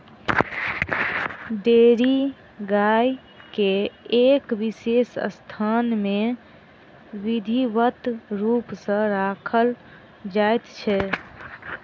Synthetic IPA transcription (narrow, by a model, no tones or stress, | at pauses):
ɖeɾi | ɡaj | keːkʋisesst̪ʰanme | ʋid̪ʱiʋət̪ɾupsə̃ɾakʰəl | d͡ʒajt̪t͡ʃʰɛ